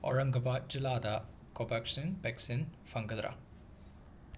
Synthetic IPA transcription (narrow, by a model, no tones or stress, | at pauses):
ɔ̰ɻɐŋɡɐpaːd͡ʒilaːd̪ɐ | kopɐkʂinpeksinfɐŋɡɐd̪ɾʔa̰